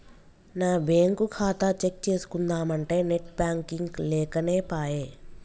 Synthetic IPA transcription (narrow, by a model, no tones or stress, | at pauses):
naːbeːŋkukʰaːt̪ɐt͡ʃek̚t͡ʃe̞ːsu̥kund̪aːmɐɳʈe̞ːneʈ̚baːŋkiŋɡlɛːkɐne̞ːpaːjeː